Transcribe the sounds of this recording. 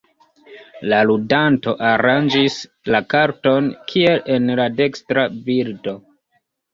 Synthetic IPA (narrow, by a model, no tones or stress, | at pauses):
laludanto̞ʔaɾand͡ʒis | lakaɾto̞nkʰie̞le̞nlade̞kstɾabildo̞